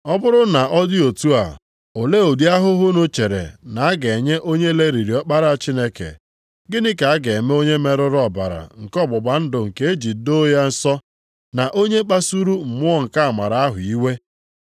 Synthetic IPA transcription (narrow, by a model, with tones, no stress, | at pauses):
ɔ˦bʊ˦ɾʊ˦na˨ʔɔ˦dɪ˦o˨tu˦a̰˨ | o˨le˦o˨di˦a˦ɦʊ˦ɦʊ˦no˦t͡ʃe˨ɾḛ˨na˨a˦ɡe˨ɲe˦ʔo˦ɲe˦le˦ɾi˨ɾi˨ɔ˦k͡pa˦ɾa˦a˨t͡ʃi˦ne˦kḛ˨ | ɡɪ˦nɪ˦ka˨a˦ɡe˨e˨me˦o˦ɲe˦me˦ɾʊ˦ɾɔ˦˨ba˨ɾa̰˨ŋ̩˨kɔ˦˨bʊ˨ba˨n̩˦dʊ˨ŋ̩˨ke˦e˦d͡ʒi˨˦do˦ja˦n̩˦sɔ˦ | na˨ʔo˦ɲe˦k͡pa˦su˦ɾu˦m̩˨mʊ˦ɔ˦ŋ̩˨ka˦a˨ma˨ɾa˨a˦ɦʊ˨i˦we˦